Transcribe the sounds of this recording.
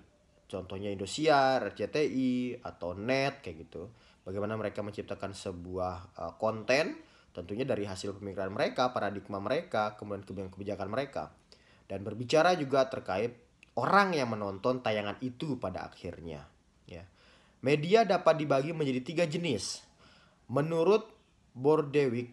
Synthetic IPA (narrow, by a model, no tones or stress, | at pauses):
t͡ʃɔnt̪ɔhɲaindosiarɛd͡ʒet̪eʔia̰t̪awnɛt̪̚kajaɡit̪u | baɡajmanaməɾekaməɲt͡ʃip̚t̪akansəbuahəkɔnt̪ɛn | t̪ənt̪uɲadaɾiɦasɪlpəmikiɾanməɾekapaɾadik̚maməɾekakəmudiankəbiankəbid͡ʒakanməɾeka̰ | danbərbit͡ʃaɾad͡ʒuɡat̪ərkaɪt̪̚ | oɾaŋjaŋmənɔnt̪ɔnt̪ajaŋanit̪upadaa̰khɪ̰rɲa̰ | ja̰ | mediadapat̪̚dibaɡiməɲd͡ʒadit̪iɡad͡ʒənɪs | mənuɾʊt̪̚ | bɔrdewɪk̚